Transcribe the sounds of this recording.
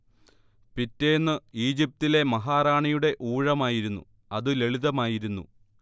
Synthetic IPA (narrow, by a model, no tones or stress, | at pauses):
pitːeːnːɨiːd͡ʑip̚t̪ile̞mɐɦaːraːɳijuɽe̞ʔuːɻɐmaːjiɾunːṵ | ɐðɨle̞ɭiðɐmaːjiɾunːṵ